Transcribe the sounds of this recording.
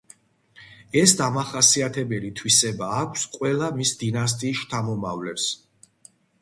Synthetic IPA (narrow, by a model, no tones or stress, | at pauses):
ɛsd̪amaχasiat̪ʰɛbɛlit̪ʰwisɛbaːkʷʰsqʼwɛlˠamisd̪inas̬t̪ʼiːsʃt̪ʰamɔmavlɛps